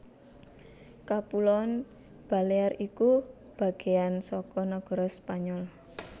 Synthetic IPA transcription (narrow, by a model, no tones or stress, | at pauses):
kapulɔn | b̥a̤leariku | b̥a̤ɡ̥e̤ansɔkɔnɔɡ̥ɔ̤ɾɔspaɲɔl